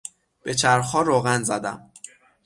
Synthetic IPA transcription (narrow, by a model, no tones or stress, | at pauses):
b̥e̞t͡ʃʰæɾxɒːɾoɣænzæd̪æ̰m